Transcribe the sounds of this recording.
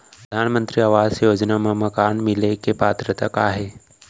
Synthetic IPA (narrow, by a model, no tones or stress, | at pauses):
pɾəd̪ʱaːnmənt̪ɾiːaʋaːzjoːd͡ʒnaməmɐkaːɳmilekepaːt̪ɾət̪əkaːɦe